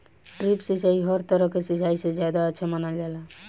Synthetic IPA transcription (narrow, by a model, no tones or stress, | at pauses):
ʈɾipsisaiɦəɾt̪əɾəɦkesisaised͡ʒjad̪aətːʃʰamənəld͡ʒala